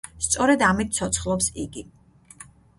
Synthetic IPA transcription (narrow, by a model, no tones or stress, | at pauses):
st̪sʼɔɾɛd̪amit̪̚ʰt̪sʰɔt̪sʰχlˠɔpsiɡi